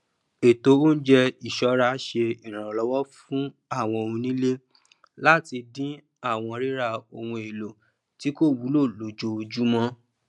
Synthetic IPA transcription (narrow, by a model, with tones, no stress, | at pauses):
e˨to˨˦o˦n̩˦d͡ʒɛ˧i˨ʃɔ˧˦ɾa˧˦ʃe˧i˨ɾã˨ɔ˨lɔ˨˦wɔ˦fũ˦ | a˦˨w̃ɔ̃˧o˧ũ˧nĩ˦le˦ | la˦ti˧dĩ˦ | a˦˨w̃ɔ̃˧ɾi˦ɾa˧o˧wũ˧e˨lo˨ | ti˦ko˦˨wu˨˦lo˦˨lo˨d͡ʒo˧o˧d͡ʒu˦mɔ̃˦